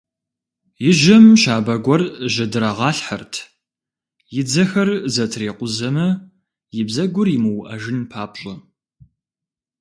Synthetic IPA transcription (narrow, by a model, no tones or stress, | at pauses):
jɪʒɐmʃaːbɐɡʷɔrʒɐdɨɾɐʁɑːɬħɐrtʰ | jɪd͡zɐxɐrzɐtʰreːqʷʊzɐmɐ | jɪbzɐɡʷʊrjɪmɨwʔɐʒɪnpʰaːpɕʼɐ